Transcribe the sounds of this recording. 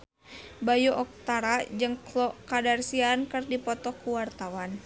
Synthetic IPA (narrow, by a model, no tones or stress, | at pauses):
bajuʔɔk̚t̪aɾad͡ʒɨŋklɔkadarsiankɨrdipɔt̪ɔkuwart̪awan